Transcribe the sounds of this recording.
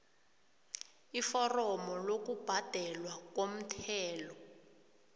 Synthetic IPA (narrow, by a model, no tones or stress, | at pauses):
ifɔrɔmɔlok̬ub̥ʱad̥ʱɛlwak̬wom̩tʰɛːlɔ